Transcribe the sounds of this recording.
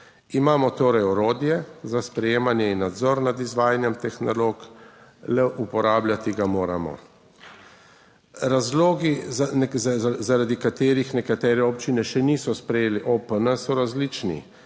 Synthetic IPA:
imaːmɔt̪oːɾɛjɔɾoːd̪jɛzaspɾɛjeːmanjɛinːad̪zɔɾnad̪izʋaːjanjɛmt̪ɛxnɔloːklɛʔupɔɾaːblʲjat̪iɡamoːɾa̰mɔ̰ | ɾazloːɡi | zaɾad̪ikat̪eːɾixnɛkat̪ɛːɾɛɔp̚t͡ʃinɛʃɛniːsɔspɾɛjeːliʔopənəsɔɾazlit͡ʃnḭ

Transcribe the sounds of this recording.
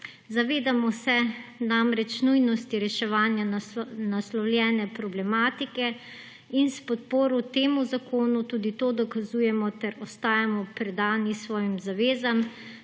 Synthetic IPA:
zaʋeːd̪amɔsɛnamɾɛt͡ʃnujnɔst̪iɾɛʃɛʋaːnjanaslɔwlʲjɛːnɛpɾɔblɛmaːt̪ikɛ | inspɔt̪̚poːɾɔt̪eːmuzakoːnut̪uːd̪it̪oːd̪ɔkazuːjɛmɔt̪ɛɾɔst̪aːjamɔpɾɛd̪aːnisʋɔːjimzaʋeːzam

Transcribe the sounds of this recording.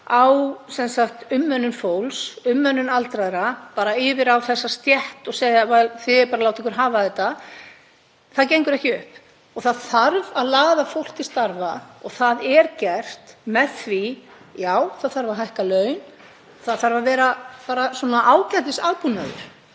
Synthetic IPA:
awsɛnsakt̪ʏmːœnːʏnfowlsʏmːœnːʏnalt̪ɾaðɾapaːɾaɪːvɪɾawθɛsːast̪jɛht̪ɔɣseːjðavaθɪɛpaɾalawt̪ɛŋkʏɾɦaːvaθɛt̪ːa | θaðcejŋkʏɾɛhcɪʏhp | ɔɣθaðθaɾvaðlaːðafowl̥t̪ist̪aɾvaɔɣθaðɛɾcɛr̥t̪mɛðθvi | jaːwθaðθaɾvaɦajhkalœːɥn | θaðθaɾvavɛːɾapaːɾaswɔnaʔaːwcat̪ɪsaːðpunːaðʏ̰ɾ̥

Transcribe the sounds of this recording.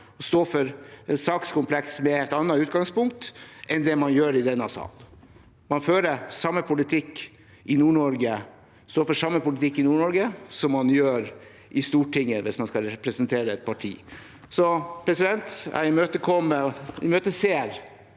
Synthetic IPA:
ɔst̪oːfɔɾsɑːkskʊmpʰlɛksmɛɛt̪ɑnːɑʉːt̪ɡɑŋspʊŋk̚t̪ɛnd̪ɛmɑnjøːɾɪd̪ɛnːɑsɑ̰ːl | mɑnføːɾəsɑmːəpʰʊlɪt̪ʰɪkː | ɪnuːɳɔɾɡə | st̪oːfɔʂɑmːəpʊlɪt̪ʰɪkːɪnuːɳɔɾɡəsɔmːɑnjøːɾ | ʔɪst̪uːʈʰɪŋːəʋɪsmɑnskɑɾɛpɾɛsənt̪ʰeːɾəɛt̪̚pʰɑʈʰḭː | sɔpʰɾɛsɪd̪ɛnt̪æ̰ɪmøːt̪əkʰɔmːəɪ̰møːt̪əseːɾ

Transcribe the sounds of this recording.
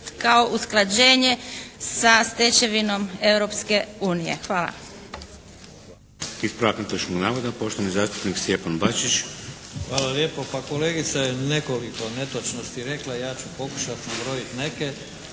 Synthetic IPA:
kao̞ʔusklˠad͡ʑe̞ːɲe̞sast̪et͡ɕe̞ʋino̞me̞wɾopske̞uːnijḛxʋaːla̰ | ispɾaːknut̪at͡ʃnoɡnaːʋod̪apo̞ʃt̪oʋanizaːʃt̪u̥pniksjepanbat͡ʃit͡ʃxʋaːlaljeːpopakoleːɡit̪sajenekolikonet̪ot͡ʃnost̪iɾe̞klajaːt͡ʃupo̞ku̥ʃat̪ibɾojit̪neke

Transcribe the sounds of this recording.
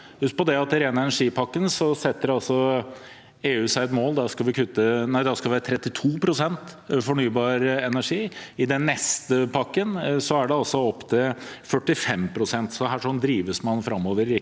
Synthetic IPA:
hʉst̪̚pɔd̪ɛɑt̪ːɪɾeːnɑɛnæʂiːpʰɑkːənsɔsɛt̪ːəɾɑlsɔ | eːʉːsæɪɛt̪moːld̪æʂkɑlʋɪkʰʉt̪ːənæɪd̪æskɑlʋæːɾət̪ʰɾɛt̪ːɪt̪ʰuːpʰɾʊsɛnt̪fɔɳyːbɑːɾɛnæʂiːɪd̪ɛnːɛst̪əpʰɑkːənsɔæɖɛɑlsɔɔpːt̪ʰɪlfœʈːɪfɛmpʰɾʊsɛnt̪sɔɦæːʂɔnd̪ɾiːʋəsmɑnfɾɑmːoːʋəɾɪ

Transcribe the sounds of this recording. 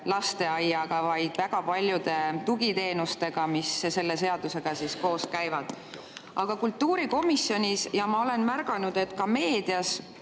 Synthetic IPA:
lɑst̪e̞ɑjːɑɡ̥ɑvɑjd̪̥væɡ̥ɑpɑlʲjud̪̥e̞t̪uɡ̥it̪e̞ːnust̪e̞ɡ̥ɑmisse̞lːe̞se̞ɑd̪̥use̞ɡ̥ɑsisko̞ːskæjvɑd̪̥ | ʔɑɡ̥ɑkult̪ːuːɾiko̞misːjo̞nʲisjɑmɑo̞le̞nmærɡ̥ɑnud̪̥e̞t̪ːˑkɑme̞ːd̪̥iɑs

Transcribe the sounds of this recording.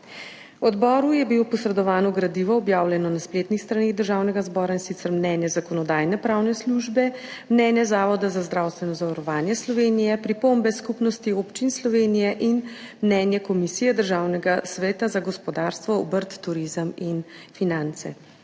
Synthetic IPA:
wɔd̪bɔːɾujɛbilopɔsɾɛd̪ɔʋaːnɔɡɾad̪iʋɔːbjawlʲjɛnɔnaspleːt̪nixst̪ɾaneːɣd̪əɾʒaːwnɛɡazbɔːɾainsit̪sɛɾmnɛːnjɛzakɔnɔd̪aːjnɛpɾaːwnɛsluʒbɛmnɛːnjɛzaːʋɔd̪azazd̪ɾawst̪ʋɛnɔzaʋaɾɔʋaːnjɛslɔʋeːnijɛpɾipombɛskupnɔst̪iopt͡ʃinslɔʋenijɛʔinmnɛːnjɛkɔmisiːjɛd̪əɾʒaːwnɛɡasʋɛːt̪azaɡɔspɔd̪aɾst̪ʋɔɔbəɾt̪ːuɾizəmin | finant̪sɛ̰

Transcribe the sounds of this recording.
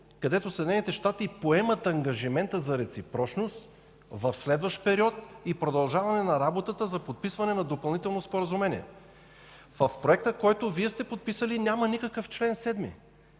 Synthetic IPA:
kɐd̪ɛt̪osəd̪ʲnɛnit̪ɛʃt̪at̪ipoɛmət̪ɐŋɡɐʒimɛnt̪əzɐɾɛt̪sipɾɔt͡ʃnost̪ | vɐfslɛd̪vəʃt̪pɛɾiɔt̪̚ipɾod̪ɐlˠʒavɐnɛnɐɾabot̪ət̪əzɐpot̪̚pisvɐnɛnɐd̪opɐlˠnit̪ɛlˠnospoɾɐzʊmɛniɛ̰ | vəfpɾoɛk̚t̪əkɔjt̪oviɛst̪ɛpot̪̚pisəlinʲamɐnikəkəft͡ʃlɛnsɛd̪mḭ

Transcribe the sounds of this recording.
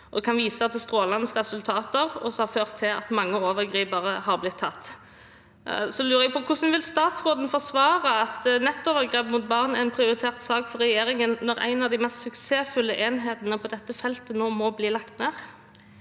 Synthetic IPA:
ɔd̪ɛkʰɑnʋiːsəɑt̪ɛst̪ɾoːlɑnəsʁɛsʉlt̪ʰɑːt̪əʁɔ̰sɔhɑføːʁt̪ʰːɪlɑ̰t̪mɑŋːəoːʋəʁɡʁiːpəʁəhɑʁblɪt̪ʰːɑt̪ː | sɔlʉːɾəɛpʰɔkʰʊsənʋɪlst̪ɑːt̪sʁoːd̪n̩fɔʁsʋɑːʁəɑt̪nɛt̪ːɔːʋəɾɡʁeːpmʊt̪̚bɑʁnæʁænpʰʁɪʊɾɪt̪ʰeːʁt̪sɑːkfɔɾɛjeːɾɪŋənnːɔʁæ̰ɪnɑʋd̪æɪmɛst̪sʉkseːfʉlːəʔeːnɦeːt̪ənəpʰɔd̪ɛt̪ːəfɛlt̪ənoːmɔbliːlɑkt̪neːʁ

